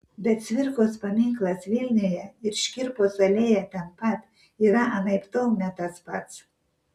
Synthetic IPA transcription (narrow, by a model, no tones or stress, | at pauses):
bʲɛt̪sʲʋʲɪɾkoːspɐmʲɪŋklˠɐsʋʲilʲnʲyjɛɪɾʃʲkʲɪɾpoːsɐlʲeːjɛt̪ʲɛnpɐt̪ | iːɾɐʔɐnɐɪpt̪oʊnʲɛt̪ɐspɐt̪s